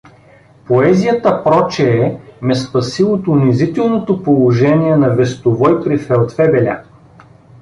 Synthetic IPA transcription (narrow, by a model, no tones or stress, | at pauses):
poɛzijət̪əpɾɔt͡ʃɛːmɛspɐsiot̪ʊnizit̪ɛlˠnot̪opolˠoʒɛniɛnɐvɛst̪ovɔjpɾifɛlˠt̪fɛbɛlʲa̰